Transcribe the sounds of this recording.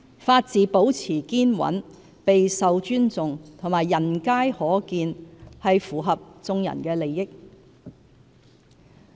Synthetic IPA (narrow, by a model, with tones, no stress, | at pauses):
faː˧t̚t͡siː˨˧po˨˥wt͡sʰiː˨˩kiː˥nwɐ̰˨˥n | pe˨jsɐ˨wt͡ʃyː˥nt͡sʊ˨ŋt̪ʰʊ˨ŋmaː˨˩jːɐ˨˩nkaː˥jhɔː˨˥kiː˧nhɐ˨jfuː˨˩ɦɐ˨p̚t͡sʊ˧ŋjɐ̰˨˩nkɛː˧le˨jːɪ˥k̚